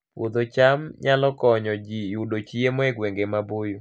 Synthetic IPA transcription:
wʔo̰d̪ot͡ʃamɲʔalɔkɔɲɔd͡ʒijudot͡ʃiemɔɛɡweŋɡemaboju

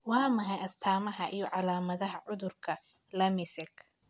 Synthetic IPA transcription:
wɑːmɐɦɛjɐst̪ʰaːmɐɦɐʔijɔʕɑlaːmɐðɐɦɐʕʊðʊrkʰɐ | lɐmɪsɛɡ

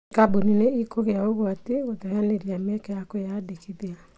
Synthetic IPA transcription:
kabunineikoɣeaoɣoateɣotajaneɾiamɛkɛjakojaːdekʰiðea

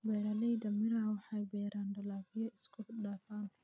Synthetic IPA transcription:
bɛːɾɐlɛjd̪ɐmɪɾaʕwɑħɑjbɛːɾaːnd̪ɐlaːfɪjɐɪskʰʊɗaːfaːn

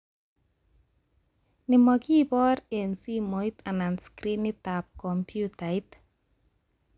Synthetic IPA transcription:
nimɔkipɔɾensimojt̪ananskɾinit̪ap̚kɔmpjut̪ajt̪

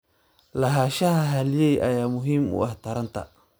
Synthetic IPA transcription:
lɐɦaːʃɐhɐɦɐlɪjɛjʔɐ̰jaːmʊɦiːmʊ̰aht̪ʰɐɾɐnt̪ʰɐ̰

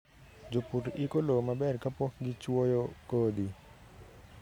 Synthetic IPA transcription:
d͡ʒopuɾikolomabɛɾkapɔkɡit͡ʃuɔjokɔd̪i

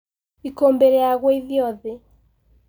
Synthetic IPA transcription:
ikɔmbɛɾɛjaɣwɛiðjɔðɛ

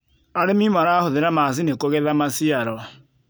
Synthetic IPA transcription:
aɾemimaɾaːhoðeɾamas̬inekoɣɛðamasiaɾɔ

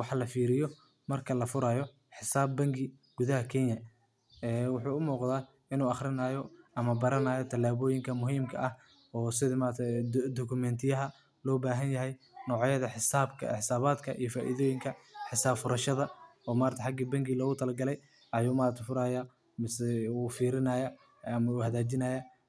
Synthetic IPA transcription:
wɑħɑlɐfiːɾɪjɔ | mɐrkʰɐlɐfʊɾaːjɔ | ħɪsaːbːɐŋɡɪ | ɡ̥ʊðɐɦɐkʰɛnjɐ | ɛːwʊħuːʊmuːqðaː | ɪnuːɑχɾɪnaːjɔɐmɐbɐɾɐnaːjɔt̪ʰɐlːaːβɔːjɪŋkʰɐmʊɦiːmkʰɐʔɐh | ɔːsɪðɐmaːɾt̪ʰɛd̪ɔkʰʊmɛnt̪ʰɪjɐɦɐ | lɔːbaːɦɐnjɐɦɛj | nɔːʕjɐðɐħɪsaːbkʰɐ̰ɪħɪsaːβaːd̪kʰɐʔḭjɔfaːʔḭðɔːjɪŋkʰɐħɪsaːbfʊɾɐʃɐðɐɔːmaːɾt̪ʰɐħɑɡiːbɐŋɡiːlɔːɣʊt̪ʰɐlɐlɡɐlɛj | ʔɐjuːmaːɾɐt̪ʰɪfʊɾaːja | mɪsɛuːfiːɾɪnaːjɐ | ɐmɐuːhɐðaːt͡ʃɪnɐːja

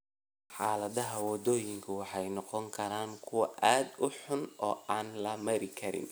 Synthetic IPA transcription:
ħaːlɐðɐɦɐwɔd̪ɔːjɪŋkʰɐwɑħɑjnɔqɔŋkʰɐɾaːŋkʰʊwɐʔaːd̪ʊħʊnɔ̰ːaːnlɐmɐɾɪkʰɐɾɪ̰n

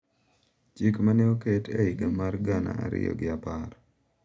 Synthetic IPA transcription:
t͡ʃikmaneoketʰeiɡamarɡana̰aɾɪ̰jɔ̰ɡɪapar

